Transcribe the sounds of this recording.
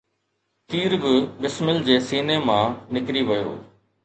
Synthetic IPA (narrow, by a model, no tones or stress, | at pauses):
t̪iːɾbɪbɪsmɪld͡ʑeːsiːneːmãːnɪkɾiʋəjo̰ː